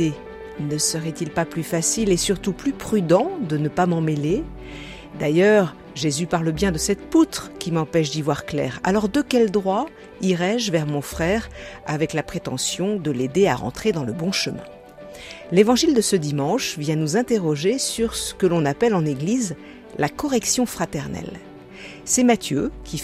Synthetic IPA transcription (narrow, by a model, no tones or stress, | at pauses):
e | nəsəʁɛt̪ilpaplyfasilesyʁt̪uplypχyd̪ɑ̃d̪ənəpamɑ̃mele | d̪ajœʁ | ʒezypaʁləbjɛ̃d̪əsɛt̪put̪χkʲimɑ̃pɛʃ̬d̪ivwaʁklɛ̰ːʁa̰lɔʁd̪əkʲɛld̪ʁwa | iʁɛʒvɛʁmɔ̃fχɛʁavɛklapχet̪ɑ̃sjɔ̃d̪əled̪ea̰ʁɑ̰̃t̪χed̪ɑ̃ləbɔ̃ʃəmɛ̰̃ | levɑ̃ʒild̪əsəd̪imɑ̃ʃvjɛ̃nuzɛ̃t̪eʁɔʒesyʁsə̥kəlɔ̃napɛlɑ̃neɡliz | lakɔʁɛksjɔ̃fχat̪ɛʁnɛ̰l | sɛmat̪jøkʲi